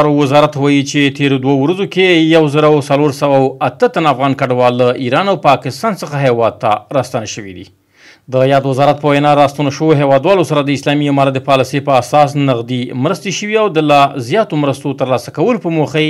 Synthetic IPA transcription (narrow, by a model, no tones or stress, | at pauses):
ɾowɪzɑɾat̪wɑjit͡ʃet̪eɾod̪wawɾazokejawzəɾawsaloɾsawawat̪ət̪anafɣɑnkaɖwɑlːaʔiɾɑnawpɑkɪst̪ɑnsəxaɦewɑd̪̚t̪ːa̰ɾɑst̪anaʃəwḭd̪ḭ | d̪əjɑd̪wəzɑɾat̪̚pəwajnɑɾɑst̪anaʃəwoɦewɑd̪wɑlosaɾad̪əɪslɑmiamɑɾat̪̚d̪əpɑlɪsepəasɑsnaqd̪imɾəst̪eʃəwiawd̪əlazjɑt̪omɾəst̪ot̪əɾlɑsakawəlopəmoxa